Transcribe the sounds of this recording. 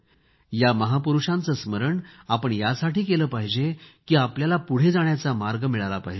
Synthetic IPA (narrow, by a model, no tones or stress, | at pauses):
jaməɦapuɾuʂãnt͡səːsməɾəɳapəɳjasaʈiːkeləːpaɦd͡ʑekiːapljalapuɽ̤ed͡zaɳ̃jat͡samaɾɡəmiɭalapaɦd͡ʑe